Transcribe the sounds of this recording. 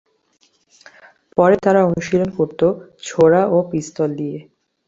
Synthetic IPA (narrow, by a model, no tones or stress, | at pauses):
pɔɾet̪aɾaonuʃilonkoɾt̪ot͡ɕʰoɾaʔopɾist̪old̪ije